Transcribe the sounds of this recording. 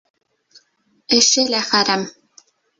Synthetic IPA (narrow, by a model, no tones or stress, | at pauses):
ɘ̆ʃɘlæχæɾæm